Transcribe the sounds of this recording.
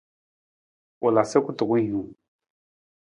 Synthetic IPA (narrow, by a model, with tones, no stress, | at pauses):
o˨la˨se˦kʊ˦tʊ˨kʊ˦ũ˨